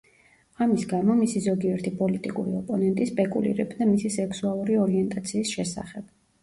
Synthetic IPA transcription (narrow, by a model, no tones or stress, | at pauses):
amisɡamɔmisizɔɡiɛɾt̪ʰipʼɔlit̪ʼikʼuɾiɔpʼɔnɛnt̪ʼispʼɛkʼṵlḭɾɛbd̪amisisɛkʰsualˠuɾiɔɾiɛnt̪ʼat̪sʰiːsʃɛsa̰χɛb̥